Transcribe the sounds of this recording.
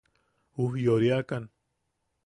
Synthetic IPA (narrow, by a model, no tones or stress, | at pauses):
uhjoɾjakan